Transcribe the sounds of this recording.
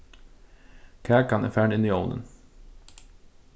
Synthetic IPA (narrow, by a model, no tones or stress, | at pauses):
kʰæːkʰɑnæ̰ːfæːɳɪniːɔld̪ə̰n